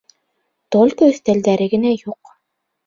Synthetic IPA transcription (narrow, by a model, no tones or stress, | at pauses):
t̪olʲkøːθt̪ælʲd̪æːɾɘ̆ɡɪ̆næjʊq